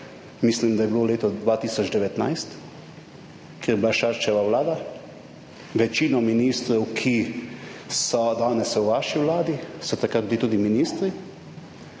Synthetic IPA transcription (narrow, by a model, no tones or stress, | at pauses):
mislimd̪ajɛbiloleːt̪ɔd̪ʋaːt̪iːsɔd͡ʒd̪ɛʋɛt̪na̰jst̪ | keɾjbilaʃaɾt͡ʃɛʋawlaːd̪a | ʋɛt͡ʃiːnɔminiːst̪ɾɛwkʰi | sɔd̪aːnɛsɛwʋaːʃiwlaːd̪isɔt̪akɾat̪bilit̪uːd̪iminiːst̪ɾi